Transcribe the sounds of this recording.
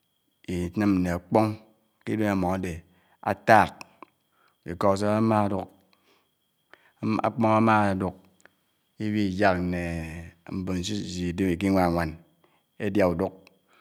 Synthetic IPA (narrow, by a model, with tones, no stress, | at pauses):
i˨˦nɨ˦mn̩˨ne˨a˨k͡po˦ŋ | ki˦do˦na˨mɔ˨ŋa˦de˨ | a̰˨ta˦˨k̚ | i˨ko˦˨s̬a˦a˦ma˦du˦k | a̰˨k͡pɔ˦ŋa˦ma˦˨du˦k̚ | i˦bi˦i˨d͡ʒa˦k̩˨ne˨m̩˨bo˨n̩˨si˦˨zi˨de˦mi˨k̬i˦ŋʷa˦˨ŋʷa˨n | e˦dja˨u˨du˦k̚